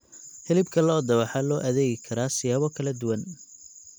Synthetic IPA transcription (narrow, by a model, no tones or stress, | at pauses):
hɛlɪbkʰɐlɔːd̪ɐβɑħɑlɔːʔɐðɛːɣɪkʰɐɾaːsɪjaːβɔkʰɐlɐd̪ʊwɐn